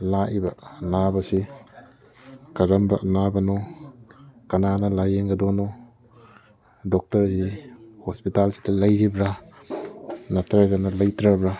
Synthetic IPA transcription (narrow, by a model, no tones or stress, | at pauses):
laʔibɐɐnabɐsi | kɐɾɐmbɐʔɐnabɐno | kɐnanɐlajeŋɡɐdono | dɔk̚tɐɾsihospitalsi̥dɐlɐjɾibɾa | nɐtʰaɾɡɐnɐlɐjtɾabɾa